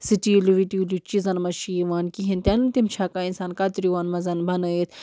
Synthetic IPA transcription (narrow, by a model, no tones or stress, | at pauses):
siʈiluʋit̪iulut͡ʃizɐnmɐʃiʋaːnkiɦĩnt̪ʲɐnɨnt̪imt͡ʃʰaːkaːinsaːnkat̪ɾiʋaːnmɐzɐnbʱɐnɐet̪ʰ